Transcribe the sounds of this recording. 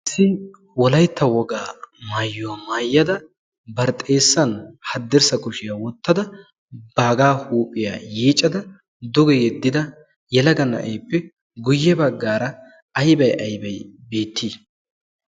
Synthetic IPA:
sɪ | wɔlɐjt̪ʰːɐwɔɡaːmaːjːʊwamaːjːɐd̪ɐ | bɐɾt̪ʼe̞ːsːɐnhɐd̪ːɪɾsɐkʊʃɪjawɔt̪ːɐd̪ɐ | b̥aːɡaːhuːpʼːɪja̰ːjiːt͡ʃʼːɐd̪ɐ | d̪ʊɡɛjɛd̪ːɪd̪ɐ | jɛlɐɡɐnɐ̰ʔejpːɛ | ɡʊjːɛbɐɡːaːɾɐ | ɐjbɐjʔɐjbɐjbe̞ːt̪ːiː

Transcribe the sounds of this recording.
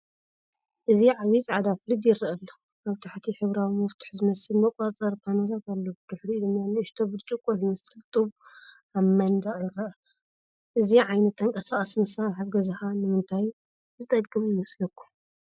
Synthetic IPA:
ʔɨziʕawit͡sʼʕad̪aflɨd̪jɪɾiʔɐlːo | aβt̪ʰaħt̪ʰiħɨβɾawimɐft̪ʰʊ̥ħzɨmɐsɨlmɐkʼat͡sʼɐɾpʰanɐlat̪ʰalːobɨd̪̥ɨħɾiɨd̪ɨnjanɨɨʃt̪ʰobɨdt͡ʃʼɨkʼozɨmɐsɨlt̪ʼɨβ | aβmɐnd̪ajɪɾɐʔɐ | ʔɨziʕajnɐt̪ʰːɐŋkʼɐsaχʼɐsmɐsalħaβɡɐzɨhanɨmɨnt̪ʰaju | zɨt̪ʼɐɡɡɨmjɪmɐslɐkʰːu̥

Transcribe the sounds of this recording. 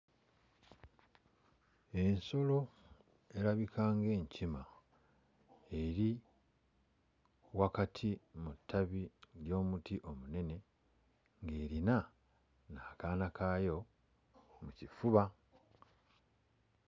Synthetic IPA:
e̞nso̞lo̞ | e̞ɾaβikʰaːŋɡe̞ːɲcima | eɾi | wakatʰimutʰːaβiljo̞ːmutiʔo̞mune̞ne̞ | ŋɡe̞ːɾina | naːkaːnakaːjo̞ | mucifuβa

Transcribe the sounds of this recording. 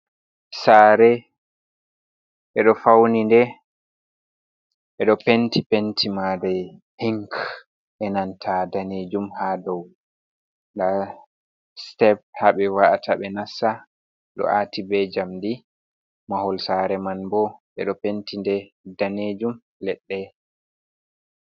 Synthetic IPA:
saːɾɛ | ʔɛɗɔfawnindɛ | ʔɛɗɔpentʰipentʰimadɛ | hiŋk | ʔɛnantʰadaned͡ʒumhadɔw | nda | stɛbhaɓɛwaʔatʰaɓɛnasːa | ɗɔ̰ʔatibɛd͡ʒamdi | mahɔlsaɾɛmanbɔɓɛ̰ɗɔpentindɛ | daned͡ʒum | lɛɗːɛ

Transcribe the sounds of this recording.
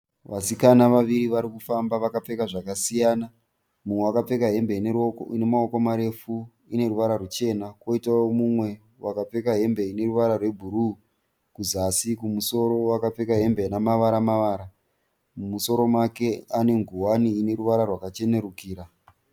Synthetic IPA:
ʋasikanaʋaʋiɾiʋaɾikufambaʋakap͡fe̞kaʐakasijaːna | mumwewakap͡fe̞kaɦe̞mben̰ne̞maoko̞maɾe̞fu | ine̞ɾuʋaɾarut͡ʃe̞nako̞itawomumwe̞ | wakap͡fe̞kaɦe̞mbe̞ine̞ɾuʋaɾarwe̞bʱuɾu | kuzasikumuso̞ɾo̞wakap͡fe̞kaɦe̞mbenamaʋaɾamaʋaːɾa | muso̞ɾo̞make̞ane̞ŋɡuwaniːne̞ɾuʋaɾarwakat͡ʃe̞ne̞ɾukiːɾa

